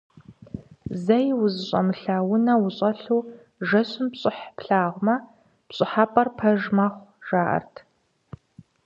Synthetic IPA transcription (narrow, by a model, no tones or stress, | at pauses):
zɐjwʊzɨɕʼɐ̰mɨɬaːwʊnɐwʊɕʼɐɬuː | ʒɐɕʊmpɕʼɪħpɬaːʁʷmɐ | pɕʼɪħaːpʼɐrpʰɐʒmɐχʷʒ̥aːʔɐ̰rtʰ